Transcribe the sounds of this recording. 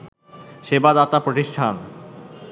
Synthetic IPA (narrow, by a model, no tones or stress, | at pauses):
ʃebad̪at̪apɾoʈiʃʈʰan